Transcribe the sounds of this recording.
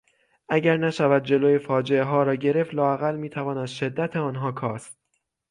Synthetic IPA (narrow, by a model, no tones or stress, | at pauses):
ʔæɟæɾnæʃævæd̪̚d͡ʒe̞loːje̞fɒːd͡ʒe̞eɦɒːɾɒːɟe̞ɾe̞ft̪lɒːæɣælmiːt̪ʰævɒːnæd̪ʃe̞d̪ːæt̪ʰeɒːnɦɒːkʰɒːst̪̚